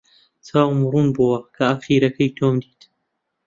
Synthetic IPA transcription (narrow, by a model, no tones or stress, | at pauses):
t͡saːwmɾˤuːnbowɐkʰɐaxiːɾɐkɐjt̪ʰoːmd̪iːt̪